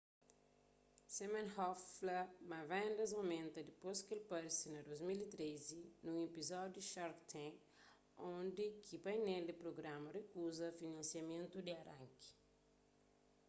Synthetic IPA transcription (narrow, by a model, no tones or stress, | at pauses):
semẽnhɔflɐmɐvɛ̃nd̪ɐz̬ɐwmẽnt̪ɐd̪iposkelpɐɾsinɐd̪ojzmilit̪ɾezinũepizɔd̪juʃɔɾkt̪ʰɛ̃ | õnd̪ikʰipɐjnɛld̪ipɾoɡɾamɐrekuzɐfinɐ̃nsiɐmẽnt̪ud̪iɐɾɐ̃ŋki̥